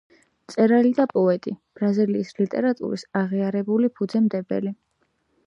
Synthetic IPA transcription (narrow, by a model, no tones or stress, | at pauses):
t̪sʼɛɾalid̪apʼɔɛt̪ʼib̥ɾaziliːslit̪ʼɛɾat̪ʼṵɾisaʁiaɾɛbulipʰud̪zɛmd̪ɛbɛ̰li